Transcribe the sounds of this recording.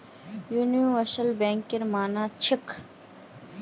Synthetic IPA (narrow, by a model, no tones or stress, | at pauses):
juːnijũʋɐsəlbẽːŋkɪɾmaːnaːt͡ɕʰɪkʰ